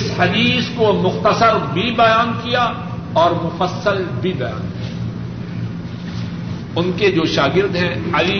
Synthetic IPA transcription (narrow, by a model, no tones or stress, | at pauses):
ɪshɐd̪iːskomʊxt̪əsəɾbʱibɐjaːnkija | ɔːɾmʊfəsːəlbʱibɐja̰ːnkia | ʊnked͡ʒoːʃaːɡɪɾd̪ɦɛ̃ɐli